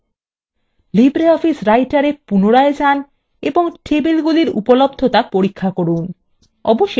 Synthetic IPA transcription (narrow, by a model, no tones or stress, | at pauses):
libɾeɔfisɾajʈaɾepunoɾaed͡ʑan | eboŋʈʰebilɡuliɾṵpolobd̪ʱot̪apoɾikʰːakoɾun | ɔ̰boʃː